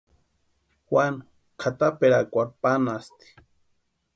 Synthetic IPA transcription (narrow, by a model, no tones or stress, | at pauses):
xwan | kʰat̪apeɾakʷapanast̪i̥